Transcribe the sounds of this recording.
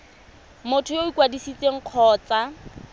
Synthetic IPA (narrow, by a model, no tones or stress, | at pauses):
mʊtʰʊjoikwadisit͡sʼeŋ̩q͡χʰɔːt͡sa